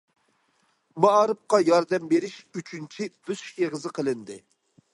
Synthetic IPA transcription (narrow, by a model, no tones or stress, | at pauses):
mɑɑɾɨp̚qɑjɑɾd̪ɛmbeɾɪʃyt͡ʃʰynt͡ʃʰib̥yz̥ʃʲeʁəzɨqʰəlˠɨnd̪ɨ